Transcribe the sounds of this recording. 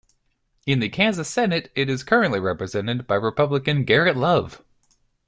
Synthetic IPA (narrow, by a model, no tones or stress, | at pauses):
ɨ̃nðɨkʰæ̃nzɨsɛnɨɾɪɾɨz̥kʰɜ˞ɨ̃nʔliɹɛpɹɨzɛ̃nɨd̚baɪɹɨpʰʌbləkɨ̃nɡɛɹɨtˡlʌv̥